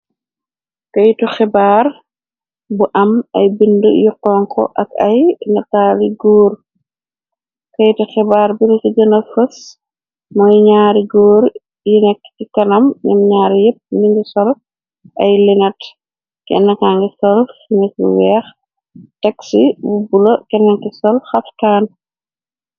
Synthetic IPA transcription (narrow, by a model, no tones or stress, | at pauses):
kɐjtɔxɛbaːr | buʔɐmɐ̰jbindṵjuqːɔŋkʰɔ̰ʔɐkɐjnɐtaliɡɔːɾ | kɐjtɔxɛbaːɾbinikid͡ʒɐnɐfɐs | mɐjɲaːɾiɡɔːɾ | jinɛkːtikɐnɐmɲɐ̰mɲaːɾjep̚ːniŋɡisɔl | ʔɐjlinɐt | kɛ̰nːɐkaŋɡisɔlsinɐt̚bṵwɛːx | tɛksibubulɐkɛnːɐŋkisɔlxɐfkaːn